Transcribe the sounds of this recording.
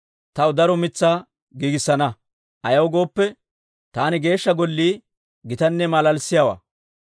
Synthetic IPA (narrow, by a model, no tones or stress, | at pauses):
t̪ɐwd̪ɐɾɔmɪt͡sːaː | ɡiːɡɪsːɐnɐ | ʔɐjɐwɡo̞ːpːɛ | t̪aːnɪɡe̞ːʃːɐɡɔlːiː | ɡɪt̪ɐnːɛmɐlɐlsːɪjawa̰ː